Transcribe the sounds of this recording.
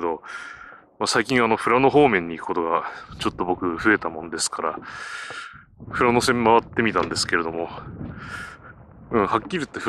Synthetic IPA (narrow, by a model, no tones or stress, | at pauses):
d̪o̞ | masaikʲĩɰ̃ano̞ɸɯ̟ɾano̞ɦo̞ːmẽ̞ɲ̟ːiːkɯ̥ko̞t̪oɡat͡ɕo̞t̪ːo̞bo̞kɯ̟ɸɯe̞t̪amõ̞nd̪e̞sɨ̥kaɾa̰ | ɸɯ̟ɾano̞sẽ̞mmaβat̪ːe̞mʲit̪ãnd̪e̞sɨ̥ke̞ɾe̞d̪o̞mo̞ | ɯ̟̃ɴhakʲːiɾʲit̪ːeɸɯ